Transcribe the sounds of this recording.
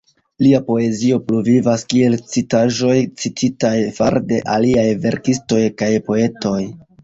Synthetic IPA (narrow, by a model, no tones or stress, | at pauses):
liapo̞e̞zio̞pluvivaskie̞lt͡sitaʒo̞jt͡sitʰitajfaɾde̞ʔaliajve̞ɾkisto̞jkajpo̞e̞to̞j